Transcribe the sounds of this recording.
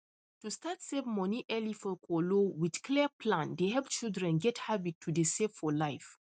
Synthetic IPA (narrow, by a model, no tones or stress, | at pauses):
tustatsevmɔniʔɛlifɔkʰɔlowidkʰlipʰlãndehɛlpt͡ʃildɹɛ̃nɡɛthabitʰːudeseffɔlaɪf